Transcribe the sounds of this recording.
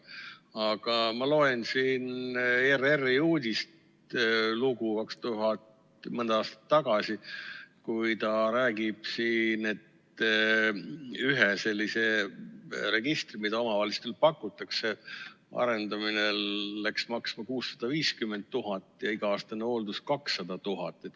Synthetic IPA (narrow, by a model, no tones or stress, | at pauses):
ɑɡ̥ɑmɑlo̞ensiːnererːijuːd̪ʲist̪ | luɡukɑkst̪uɦɑt̪ | mɤnd̪ɑɑːst̪ɑ̥t̪ːɑɡɑsikujt̪ɑɾæːɡib̥siːne̞t̪ː | yɦese̞lʲːise̞ | ɾe̞ɡ̥ist̪rimid̪̥ɑo̞mɑvɑlist̪elpɑkːˑut̪ːˑɑkse̞ɑ̰ɾe̞nd̪ɑminelːæksmɑksmɑkuːsːɑ̥d̪̥ɑviːskymːe̞nt̪̚t̪ːuɦɑt̪ːˑjɑiɡ̥ɑɑːst̪ɑneo̞ld̪uskɑksːɑd̪̥ɑt̪uɦɑt̪ːˑet̪